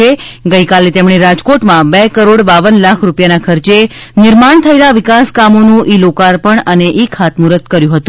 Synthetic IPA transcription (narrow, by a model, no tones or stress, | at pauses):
eɡəjkalet̪emɳ̃eɾad͡ʒkoʈmãbekəɾoɽbaʋənlakʰɾupjanakʰəɾt͡ʃe | nɪɾmaɳ̃t̪ʰəelaʋɪkaskamonũʔilokaɾpəɳəneʔikʰat̪muɾət̪kəɾjũɦət̪ũ